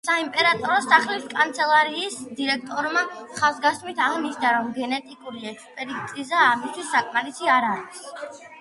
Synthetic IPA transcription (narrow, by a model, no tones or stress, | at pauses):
saimpʼɛɾat̪ʼɔɾɔsaχliskʼant̪sʰɛlˠaɾiːsd̪iɾɛkʰt̪ʼɔɾmaχazɡast̪mit̪ʰaʁniʃd̪aɾɔmɡɛnɛt̪ʼikʼuɾiɛkspʼɛɾit̪sʼizaːmist̪ʰwisːakʼmaɾisiaɾaɾis